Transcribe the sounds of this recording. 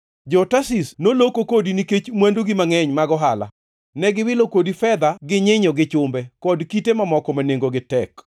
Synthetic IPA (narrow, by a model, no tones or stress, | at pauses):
d͡ʒɔtasisnolokokodiniket͡ʃmwandoɡɪmaŋɛɲmaɡɔɦala̰ | nɛɡɪwɪlokodifɛd̪aɡɪɲɪɲɔɡɪt͡ʃʊmbɛkɔdkitemamɔkɔmaneŋɡoɡɪtɛk